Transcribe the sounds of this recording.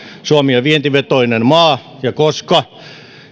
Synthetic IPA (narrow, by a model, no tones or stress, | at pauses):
suɑmiɑʋient̪iʋet̪oinenmɑː | jɑkoskɑ